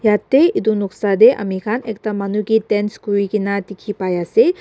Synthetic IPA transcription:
jat̪ːeid̪unuksad̪eʔɐ̰mikʰanek̚tamanuɡitenskuɾikinat̪ikʰipajase

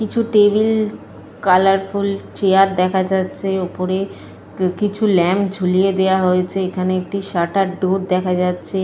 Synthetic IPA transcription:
kit͡ɕʰuʈebil | kalaɾfult͡ɕejaɾd̪ɛkʰad͡ʑatːɕʰeopoɾe | kit͡ɕʰulɛmd͡ʑʱulijed̪eaɦojet͡ɕʰeekʰaneek̚ʈiʃaʈaɖoɾd̪ɛkʰad͡ʑatːɕʰe

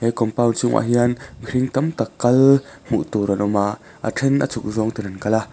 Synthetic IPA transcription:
hɛjkɔmpawnt͡sʊŋʔa̰ɦianɾiŋt̪ɐmt̪ɐkːɐlm̥ṵʔt̪uɾɔnʔɔmaʔ | ʔə̰ʈ͡ʂʰɛnʔət͡sʰuk̚zɔŋt̪inankala

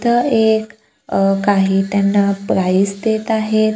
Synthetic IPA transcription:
t̪əek | kaɦiːt̪janːapɾaiːsd̪et̪aɦet̪

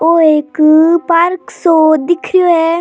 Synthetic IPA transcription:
oeːkpaɾksod̪ɪkʰɾijoɛ

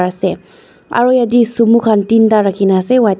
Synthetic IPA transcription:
ase | ʔa̰ɹujad̪isumukʰant̪int̪aɾakʰinasewa

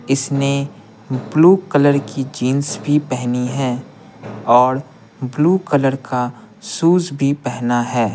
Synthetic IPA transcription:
ɪsne | bluːkələɾkid͡ʒiːnsbʱipɛɦniɦɛ̃ː | ɔːɾ | bluːkələɾka | suːd͡ʒbʱipɛɦnaɦɛː

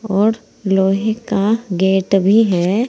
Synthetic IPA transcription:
ɔːɾ | loːɦẽkaɡeːʈbʱiɦɛː

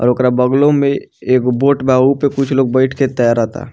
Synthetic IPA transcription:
ɔ̰ːɾokɾabəɡlõmẽ | eːkboːʈbʱaːupekʊt͡ʃʰloːɡ̚bɛɪʈʰket̪əjaɾat̪ʰa̰ː

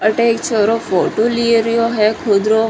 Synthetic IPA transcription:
əʈeːkt͡ʃəɾofoːʈolieɾijoɦɛkʰʊd̪ɾo

